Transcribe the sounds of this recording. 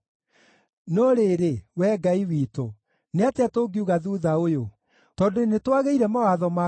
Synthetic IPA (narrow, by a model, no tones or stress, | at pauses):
nɔɾeɾewɛːɡaiwiːto | neateatoːɡiuɣaðuːðaojo | tɔdonetwaɣeiɾɛmawaðɔma